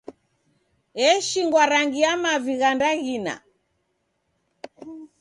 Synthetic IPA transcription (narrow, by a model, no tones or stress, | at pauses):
ɛʃiŋɡwaɾaŋɡiamaviɣandaɣina̰